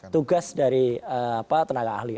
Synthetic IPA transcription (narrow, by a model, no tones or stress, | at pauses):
t̪uɡasdaɾiəapat̪ənaɡa̰ːhli